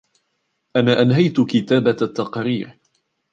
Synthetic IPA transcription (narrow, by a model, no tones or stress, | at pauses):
ʔanaːʔanɦajt̪ʊkɪt̪aːbat̪ːɑqɾiːɾ